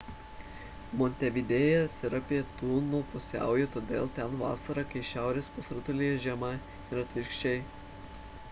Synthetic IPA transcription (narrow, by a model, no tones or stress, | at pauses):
mɔnʲt̪ʲɛʋʲid̪ʲeːjɛsʲɪɾɐpʲiːt̪uːnupʊsʲæ̰ˑʊjɛt̪oːd̪ʲḛːlˠt̪ʲɛnʋɑ̰ːsɐɾɐkɐɪʃʲæˑʊɾʲeːspʊsɾʊt̪ʊlʲijɛʒʲɛmɐ | ɪɾɐt̪ʲʋʲɪɾkʃʲt͡ʃʲɛɪ